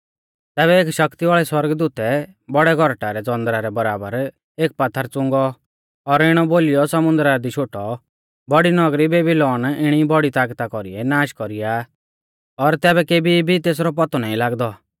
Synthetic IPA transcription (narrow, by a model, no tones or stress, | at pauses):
t̪ɛːβɛeːkʃɐkt̪iʋaːɭɛswɔɾɡəd̪uːt̪ɛ | bɔɽɛɡʱɔɾʈaɾɛd͡zɔ̃nd̪ɾaɾɛbɐɾaːbəɾ | eːk̚pat̪ʰːəɾt͡sʊ̃ŋɡɔ | ɔɾɪɽ̃ɔboːlijɔsɐmʊ̃nd̪ɾad̪iʃʰoːʈɔ | bɔɽinɔɡɾibeːbilɔːnɪɽ̃ibɔɽit̪aːkt̪akɔɾḭɛnaːʃkɔɾija | ɔɾt̪ɛːbɛkeːbibʱit̪eːs̬ɾɔp̬ɔt̪ɔnaːĩlaːɡd̪ɔ